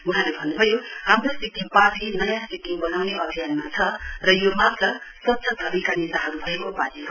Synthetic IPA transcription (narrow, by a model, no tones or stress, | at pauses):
unɦalebʱʌnːubʱʌjohamrosikiŋpapʰinʌjãsikiŋbʌnawneʔʌbʱijanmat͡sʰʌrʌjomapʌsʌtːsʰʌd̪ʱʌbikanidaɦaɡubʱʌekopatiɦo